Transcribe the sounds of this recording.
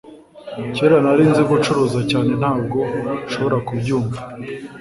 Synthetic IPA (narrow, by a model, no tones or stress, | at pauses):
ceːɾanaɾiːnziɡut͡ʃuɾuːzacaːne̞n̥haːb̚ɡo̞ʃo̞βo̞ɾakubɟuːɱva